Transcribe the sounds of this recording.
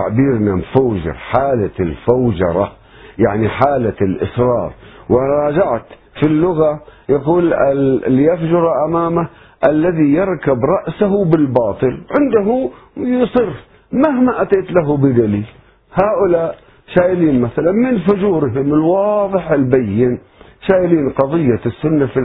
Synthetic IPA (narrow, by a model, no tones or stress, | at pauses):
a̰ʕbiːɾnamfawd͡ʒɪ̰ɾħaːlalfawd͡ʒɑ̰ɾˤɑ̰ | jaʕniħaːlalʔɪ̰sɾˤɑ̰ːɾˤwʔaɾˤɑːd͡ʒaʕt̪ | filːʊɣajaquːlɪlːjafd͡ʒʊɾˤɑʔamaːma | ʔalːaðijɑɾˤkabɾˤɑʔsaɦʊbɪlbɑːt̪ˤɨlʕɪnd̪aɦujsˤɨɾ | maɦmaʔat̪eːt̪laɦubɪd̪aliːl | haːʔʊlaːʔ | ʃaːjɪliːnmaθalanmɪnfʊd͡ʒuːɾɦɪmɪlwɑːðˤɨħɪlbajːɪn | ʃaːjliːnqɑðˤɨjːasːʊnːafi